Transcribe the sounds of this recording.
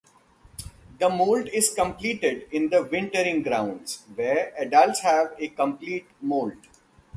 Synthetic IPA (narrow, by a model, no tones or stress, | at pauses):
d̪əmoːlʈɪzkə̃mpliːʈeɖɪ̃nd̪əʋɪ̃ɳʈəɾɪ̃ŋɡɾãʊ̃ɳɖzʋeːɾɛɖəlshæʋekə̃mpliːʈmoːlʈ